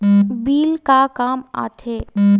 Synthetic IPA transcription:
biːlkakaːma̰ːt̪ʰeː

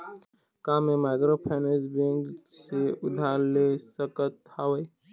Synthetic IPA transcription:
kaːmemaɪɡɾopʰɛːnesbẽŋkseʊd̪ʱaːɾlesəkət̪hawəj

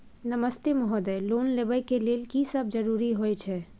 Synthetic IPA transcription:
nəməst̪emɔɦɔd̪ɛloːnlebəkeleːlkisəb̚d͡ʒəɾuːɾiɦojt͡ʃʰɛ

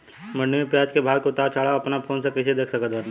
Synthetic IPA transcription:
mənɖepjaːd͡ʒkebʱaːɡkot̪aːt͡ʃʰaːɽaɐpnapʰoːnsakɾɪʃed̪eːkʰsəkət̪bən

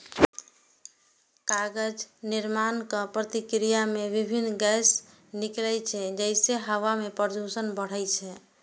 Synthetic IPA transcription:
kaɡəd͡ʒniɾmankəpɾət̪ikɾijamebibʱinːɡɛs | niklɛjt͡ʃʰɛd͡ʒəɪseɦəʋamepəɾd̪ʱusənbəɽ̤əjt͡ʃʰɛ

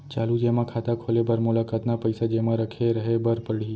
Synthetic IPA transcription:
t͡ʃalud͡ʒemãkʰat̪akʰolebʱəɾmulakat̪napəjsad͡ʒemãɾəkʰeɾəɦebəɾpəɽi

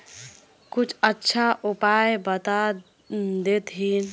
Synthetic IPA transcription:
kut͡ʃʰətːʃʰaʔupajbət̪a | d̪et̪ɦin

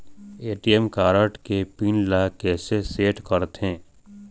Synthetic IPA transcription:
eːʈiɛmkaːɾəʈkepiːnlakɛːseseːʈkəɾt̪ɦẽː

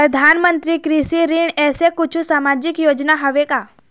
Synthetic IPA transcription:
pɾɐd̪ʱaːnmə̃nt̪ɾikɾisiɾiɳɛːsekʊt͡ʃʰũsaːmaːd͡ʒɪkjoːd͡ʒnaɦɐʋekaː

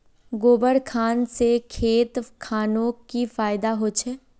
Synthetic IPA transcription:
ɡoːbəɽkʰaːnsekʰeːt̪kʰaːnõkifaːɪd̪aɦoːt͡ʃʰeː

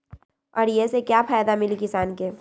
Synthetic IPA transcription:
ɔːɾjesekjaːfaːjd̪amɪlikɪsaːnkeː

